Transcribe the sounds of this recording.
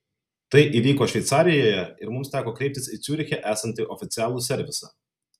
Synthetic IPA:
t̪ɐɪʔiːʋʲiːkoːʃʲʋʲɛɪt̪sɑːɾʲɪjojɛɪɾmʊmst̪ʲæːkoːkɾʲɛɪp̚ʲt̪ʲɪsit̪sʲuːɾʲɪxʲɛʔæːsɐnʲt̪ʲɪʔɔfʲɪt̪sʲɪæːlˠusʲɛɾʲʋʲɪsɐ̰

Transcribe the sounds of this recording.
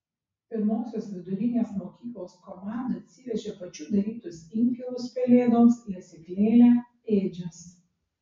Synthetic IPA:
pʲɪɾmoːsʲoːsʋʲɪd̪ʊɾʲɪnʲeːsmoːkʲiːklˠoːskɔmɑˑnd̪ɐɐt̪ʲsʲɪʋʲɛʒʲeːpɐt͡ʃʲuːd̪ɐɾʲiːt̪ʊsɪŋʲkʲɛlʊspʲɛlʲeːd̪oːmsɪɐsʲɪkʲlʲeːlʲæ | eːd͡ʒʲɛs

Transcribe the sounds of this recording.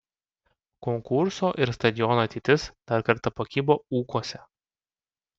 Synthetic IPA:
kɔŋkʊɾsoːʔɪɾst̪ɐd̪ʲɪjɔnoːt̪ʲɪːt̪ʲɪsd̪̥ɐɾkɐɾt̪ɐpokʲiːboːuːkuɔsʲɛ

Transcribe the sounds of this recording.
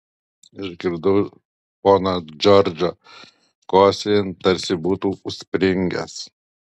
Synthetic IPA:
ɪʒɡʲɪɾd̪ɐː | poːnɐd͡ʒɔɾʲd͡ʒɐ | koːsʲent̪ɐɾʲsʲɪbuːt̪uːʊsʲpʲɾʲɪŋʲɡʲɛ̰s

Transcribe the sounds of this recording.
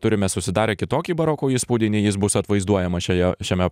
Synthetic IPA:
t̪ʊɾʲɪmʲɛsʊsʲɪd̪ɑːɾʲeːkʲɪt̪oːkʲiːbɐɾoːkuːiːspuːd̪ʲɪnʲiːjɪsbʊsɐt̪ʋɐɪzd̪uɔjɛmɐʃʲɛjɛʃʲɛmʲɛ

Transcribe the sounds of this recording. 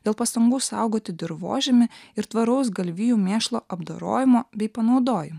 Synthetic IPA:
d̪ʲeːlˠpɐst̪ɐŋɡuːsɐˑʊɡoːt̪ʲɪd̪ʲɪɾʋo̰ːʒʲemʲɪɪɾt̪ʋɐɾɐʊsɡɐlʲʋʲiːjuːmʲeːʃlˠoːʔɐbd̪o̰ːɾo̰ːjɪmoːbʲɛɪpɐnɒʊd̪oːjɪmʊ

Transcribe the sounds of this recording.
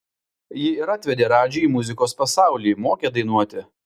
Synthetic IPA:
jɪɪɾat̪ʲʋʲɛd̪ʲeːɾɑːd͡ʒʲɛiːmʊzʲɪkoːspɐsɑˑʊlʲiːmoːkʲeːd̪ɐɪnuɔt̪ʲɪ

